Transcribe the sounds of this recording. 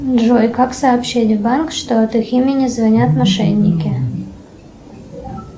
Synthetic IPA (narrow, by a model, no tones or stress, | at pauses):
ʐojkaksɐːpɕːetʲvbankʂt̪oɐt̪iximʲɪnʲɪzvɐnʲat̪mɐʂɛ̰nʲːɪkʲɪ